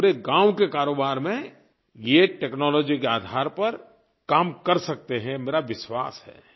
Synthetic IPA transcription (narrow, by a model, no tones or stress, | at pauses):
ɾeɡãːwkekaːɾoːbaːɾmẽ | jeʈeːknɔːlɔːd͡ʒikeaːd̪ʱaːɾpɐɾ | kaːmkɐɾsɐk̚t̪eɦɛ̃meːɾaʋɪʃwa̰ːsɦɛ̰ː